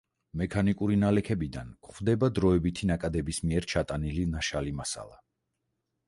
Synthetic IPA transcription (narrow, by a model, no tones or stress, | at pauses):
mɛkʰanikʼuɾinalɛkʰɛbid̪ankχwvd̪ɛbad̪ɾɔɛbit̪ʰinakʼad̪ɛbismiɛɾt͡ʃʰat̪ʼanilinaʃalimasa̰lˠa